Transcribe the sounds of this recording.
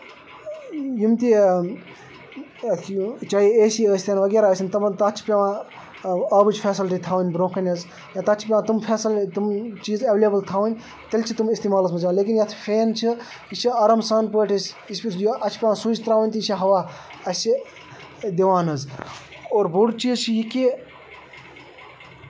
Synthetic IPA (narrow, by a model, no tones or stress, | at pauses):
jimt̪i | t͡ʃaːjieːsiəːsʲt̪eːnʋɐɡeːɾaɐsinʲt̪ɐbɐnt̪ɐt͡ʃʰpʲeʋã | ɐːbɨd͡ʒfʰeːsilʈit̪ʰaːʋnʲbɾõːkʰɐnʲɐz | jãːt̪ɐt͡ʃʰi̥pʲeʋãːt̪umfʰeːsilt̪umt͡ʃiːzɐʋlʲjɐbɐlt̪ʰaːʋɐnʲ | t̪ɐlʲt͡ʃʰit̪umist̪iːmaːlɐs̬mɐzʲʋaːnleːk̬ʲinjɐt̪ʰfeːnt͡ʃʰi | iʃʰiɐɾɐmsaːnp̬oːʈʰʲɐs | ispʲijɐt͡ʃʰpʲeʋãːsud͡ʒt̪ɾaːʋɐnʲt̪iiʃʰiɦɐʋa | ɐsʲi | d̪iʋaːnɐz | oːɾbuɽt͡ʃiːzt͡ʃʰijiki